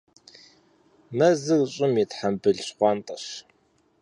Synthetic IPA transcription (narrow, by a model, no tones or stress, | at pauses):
mɐzɨrɕʼɪmjɛtħambɨɮɕχʷɑːntʼɐɕ